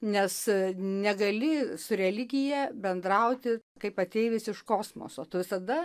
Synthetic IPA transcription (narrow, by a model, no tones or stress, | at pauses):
nʲɛsnʲɛɡɐlʲɪsʊɾʲɛlʲɪɡʲɪjɛbʲɛnd̪ɾɐʊt̪ʲɪkɐɪpɐt̪ʲeɪʋʲɪsɪʃkoːsmo̰ːsoːt̪ʊʋʲɪsɐd̪ɐ